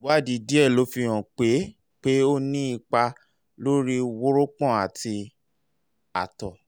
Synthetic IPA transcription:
wa˦˨di˨di˦ɛ˦˨lo˨˦fi˧j̃ɔ̃˨k͡pe˨˦ | k͡pe˦o˦nĩ˦i˧k͡pa˧ | lo˦ɾi˦wo˦ɾo˦k͡pɔ̃˦˨a˨ti˧ | a̰˨tɔ˨

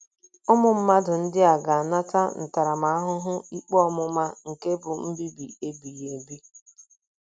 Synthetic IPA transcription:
ʊ˦mʊ˨m̩˦ma˦dʊ˨n̩˦dɪ˦a˨ɡa˨a˨na˦ta˦n̩˨ta˨ɾa˨ma˨˦a˦ɦʊ˦ɦʊ˦i˦k͡pɔ˦mʊ˦ma˦ŋ̩˨ke˦bʊ˨m̩˦bi˦bi˨e˦bi˨je˨bi˦

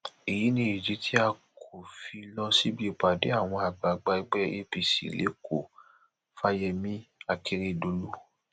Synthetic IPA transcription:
i˨ji˨˦nĩ˧˦i˨d͡ʒi˨˦tʰi˦a˧kʰo˨fi˧lɔ˧si˦bi˦˨k͡pa˨de˨˦a˦˨w̃ɔ̃˧a˨ɡ͡ba˨˦ɡ͡ba˧i˧˦ɡ͡bɛ˦e˧˦bi˨sḭ˨lḛ˨˦kʰo˨ | fa˧˦jɛ˧mĩ˦a˧kʰi˧˦ɾi˦˨do˨˧˦lu˦

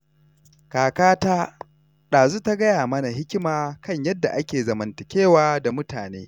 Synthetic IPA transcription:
kaː˨kaː˦taː˦ | ɗaː˨zu˦ta˦ɡɐ˦jaː˨mɐ˦na˨ɦɪ˦kʲɪ˦maː˨kʰɐ˦ɲjɐ˦dːa̰˨ʔa˦kʲeː˨zɐ˨mɐ˨ntɪ˨kʲeː˦˨waː˦da˨mʊ˦taː˨nḛː˦

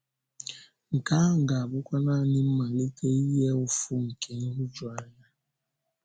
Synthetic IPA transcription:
ŋ̩˨ka˦ŋ̩˨ɡa˨a˨bʊ˦kʷa˦na˦˨nɪ˦m̩˦ma˨le˦tʰe˦i˦ɦe˦ʊ˦fʊ˦ŋ̩˨kʰe˨ŋ̩˦ɦʊ˦d͡ʒʊ˨a˦ɲa˦

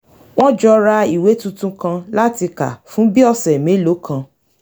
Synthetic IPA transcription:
w̃ɔ̃˦d͡ʒɔ˧ɾa˧i˨we˨˦tũ˦˧tũ˧kã˧la˦ti˧ka̰˨fũ˨˦bi˦ɔ˧sɛ˨mẽ˨˦lo˨˦kʰã˧

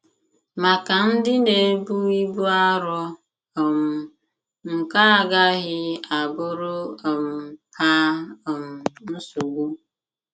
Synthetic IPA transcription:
ma˨ka˨n̩˦dɪ˦ne˨˦bu˦i˦bu˦a˦ɾɔ˦˨ | m̩˨ | ŋ̩˨ka˦a˨ɡa˦ɣɪ˦a˨bʊ˦ɾʊ˦˨m̩˨pʰa˦˨m̩˨n̩˦su˨ɡʷu˦

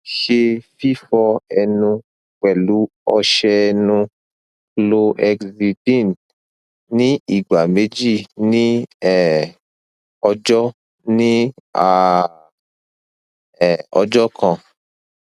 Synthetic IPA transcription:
ʃe˧fi˦fɔ˧ɛ˧nũ˧ | k͡pɛ˨lu˨˦ | ɔ˧ʃɛ˧nũ˧ | lo˧ʔɛ˧kzi˧dĩ˦˨n | nĩ˦i˦˨ɡ͡ba˨mẽ˨˦d͡ʒi˦˨nĩ˦ɛ˨ | ɔ˧d͡ʒɔ˦ | nĩ˦a˨ | ɛ˨ɔ˧d͡ʒɔ˦kʰã˧

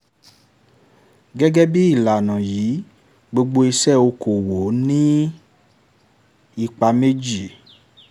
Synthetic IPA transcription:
ɡɛ˦ɡɛ˦bi˦i˦˨la˨nã˨jiː˨˦ | ɡ͡bo˧ɡ͡bo˧i˧sɛ˦˨o˧ko˨wo˨˦nĩ˦ | i˦˨k͡pa˧me˦d͡ʒi˦˨

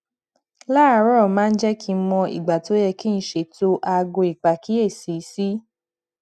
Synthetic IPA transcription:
la˦˨˦ɾɔ˦˨mãː˦˧n̩˦d͡ʒɛ˦kʰi˧˦mɔ̃˧ḭ˨ɡ͡ba˨to˨˦jɛ˧ki˦n̩˦ʃe˨to˦ʔa˧ɡo˧i˨k͡pa˨ki˦e˦˨si˨˦si˦

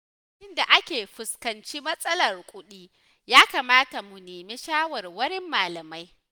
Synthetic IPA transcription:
ʔɪ˦nda˨ʔa˦kʲeː˨ɸɪ˨skɐ˨nt͡ʃi˦mɐ˦sʼɐ˦lɐ˨rkʷʼʊ˦ɗiː˦ | jaː˦kaː˨maː˦ta˨mu˨neː˨meː˦ʃaː˦wɐ˨rwɐ˦ɾɪ˦mːaː˨lɐ˨ma˦j

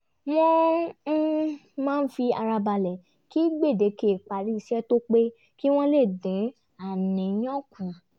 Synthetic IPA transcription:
jɛ˦ | mãː˦˧n̩˦fi˧a˧ɾa˧ba˧lɛ˨ | ki˦ɡ͡be˦˨de˨˧ke˨k͡pa˨ɾi˦i˧ʃɛ˦to˦k͡pe˦ | ki˦w̃ɔ̃˦le˦˨dĩ˨˦ | a˨nĩ˨j̃ɔ̃˦kũ˨a˨

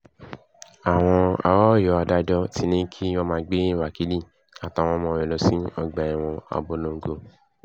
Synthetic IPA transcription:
a˨w̃ɔ̃˧a̰˧˨wɔ˦˨jɔ˧˨a˧da˧˦d͡ʒɔ˦ti˧˦nĩ˦kʰi˦wɔ˧mãː˧ɡ͡be˦wa˨ki˨˦li˦˨ | a˨ta˨w̃ɔ̃˧mɔ̃˧ɾɛ˨lo˧sĩ˦ɔ˧ɡ͡ba˨ɛ˨w̃ɔ̃˧ɔ̰˧˨bo˨˦lo˧ŋ̩˨ɡo˧

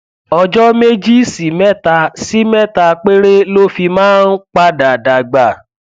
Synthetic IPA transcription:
ɔ˧d͡ʒɔ˦me˦d͡ʒi˦si˨mɛ˦˨ta˧si˦mɛ˦˨ta˧k͡pe˦ɾe˦lo˦fi˧mãː˦n̩˦k͡pa˦da˨da˨ɡ͡ba˨

